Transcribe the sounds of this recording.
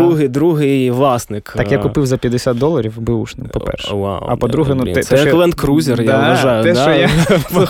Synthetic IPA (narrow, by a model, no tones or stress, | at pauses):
uɦɪd̪ɾuɦɪjʋlˠɑsnɪk̪akjakʊpɪwzɐpʲjɐd̪ɪsʲat̪̚d̪ɔlˠːɐɾʲiwbɨuʃnɪmpɔpɛ̰rʃɛwa̰wɐ̰pɔd̪ɾuɦɛnut̪ɛt̪ɛlˠɛnt̪kɾuzʲɪrj̪aʋɐʒɑjʊɛd̪ɔja